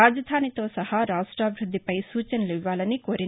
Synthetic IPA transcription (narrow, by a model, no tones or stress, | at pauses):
aːd͡ʒɐd̪ʱaːnit̪ʋɐsɐhɐɾaːʂʈɾaːʋbʱɾud̪ʱːipɐjsuːt͡ʃɐnɐleʋʋaːlɐnikoːɾi